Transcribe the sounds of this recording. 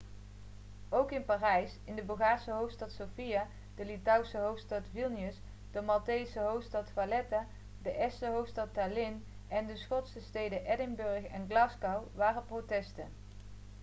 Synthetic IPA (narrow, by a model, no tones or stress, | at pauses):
owkɪnpaːrɛjsɪndəbɵlˠɣaːɹsəɦowftstɑtsowfija | d̥əlitʌwsəɦowftstɑtvilˠniəs | d̥əmɑltejsəɦowftstɑtfalɛta | dəʔɛsəɦowftstɑtalɪn | ɛndəsχɔtsəstejdəʔɛdɪŋbɵɹxɛnɡlɑskɑwʋaːrəprotɛstən